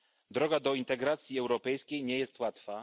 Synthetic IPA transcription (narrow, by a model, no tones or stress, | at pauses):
d̪ɾɔɡad̪ɔint̪ɛɡɾat̪sʲjiɛwɾɔpɛjskʲejɲɛjɛst̪wat̪fa